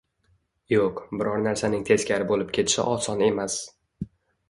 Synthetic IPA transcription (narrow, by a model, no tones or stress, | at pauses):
joqbɪɾɒɾnaɾsanɪŋt̪ʰe̞skʲʰaɾɪbolɪp̚kʲʰe̞t̪ʰɪ̥ʃɪ̰ʔɒsɒne̞mas